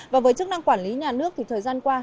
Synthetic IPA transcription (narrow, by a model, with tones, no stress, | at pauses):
vaː˨˩vəː˨˦jt͡ɕɨ˦˥k̚na˧ŋkwaː˧˩nli˨˦ɲaː˨˩nɨ˦˥ək̚t̪ʰi˨˩t̪ʰəː˨˩jzaː˧nkwaː˧